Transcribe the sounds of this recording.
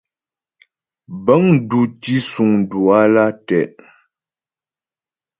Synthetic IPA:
bə˦ŋn̩˦du˨ti˦su˨ŋ˨du˨a˦la˦tɛ˨ʔ

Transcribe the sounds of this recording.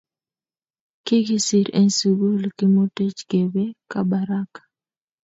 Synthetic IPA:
ki˦ɡi˦si˨ɾḛ˦nsu˨ɡo˦lkɪ˦mo˦te˦t͡ʃɡe˨be˦kaba˨ɾa˦kḁ

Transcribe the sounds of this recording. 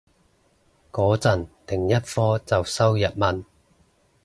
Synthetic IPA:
kɔː˨˥t͡sɐ˨˩nt̪ɪ˨˩ŋjɐ˥t̚fɔː˥t͡sɐ˨wsɐ˥wjɐ˨t̚mɐ˨n

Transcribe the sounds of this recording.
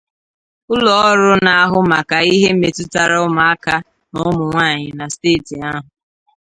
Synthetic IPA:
ʊ˦lɔ˨ɔ˦ɾʊ˦na˨a˦ɦʊ˦ma˨ka˨i˦ɦe˦m̩˦me˨tʊ˦ta˨ɾa˦ʊ˦ma˨a˦ka˦ | nʊ˦mʊ˨ŋʷaː˦˨ɲɪ˨na˨steː˦˨ti˨a˦ɦʊ˨

